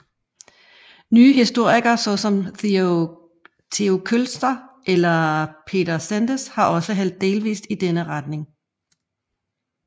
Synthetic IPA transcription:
nyːɦisd̥o̝ɐ̰iɡ̥ɐsɒ̽sɒ̽m | t͡sʰe̝o̝kʰølsd̥ɐʔelɐpʰe̝̰ːdɐsænd̥əshɑ̈ʔɒ̽səɦæl̰d̥̚ːe̝ːlʋḭːsd̥id̥enəʁɑd̥ne̝ŋ

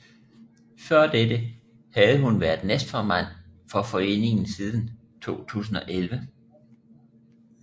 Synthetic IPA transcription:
fɶɐ̰d̥ed̥ə | hæð̞̩ˠəɦunʋæɐd̥nesd̥fɒmæn̰fɒ̽fɒ̽e̝̰ːne̝ŋn̩siːð̞ˠn̩ | t͡sʰo̝̰ːt͡sʰṵːs̬n̩ɒ̽ʔelʋə

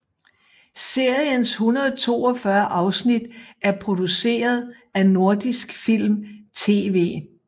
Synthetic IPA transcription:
se̝ɐ̰jənshunɐðˠt͡sʰo̝̰ːɒ̽fɶɐʔɑ̈ʊsnid̥æɐpʰʁo̝d̥use̝̰ːɐð̞ˠ | æno̝ɐd̥isɡ̥fil̰mt͡sʰe̝̰ːʋe̝̰ː

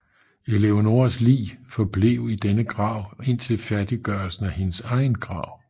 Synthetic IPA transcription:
eleono̝ːɐslḭːfɒ̽b̥leʊ̰id̥enəɡ̥ʁɑ̰̈ʊ̰e̝n̰t͡sʰe̝lfæɐd̥iɡ̥ɶɐlsn̩æhe̝nəsɑ̈ɪnɡ̥ʁɑ̰̈ʊ̰

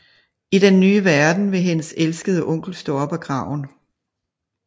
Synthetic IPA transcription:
iɾ̥enːyːʋæɐd̥n̩ʋe̝ɦe̝nəselsɡ̥əðˠəʔɔ̽ŋ̰ɡ̥l̩sd̥ɔɒ̽b̥æɡ̥ʁɑ̈ʊ̰n̩

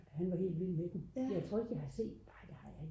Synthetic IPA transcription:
hænʋɑ̈he̝̰ːldʋil̰med̥mjɑ̈ɪt͡sʰʁo̰ɐe̝ɡ̥jäɪhɑse̝̰ːd̥b̥ɑd̥ehɑjɑ

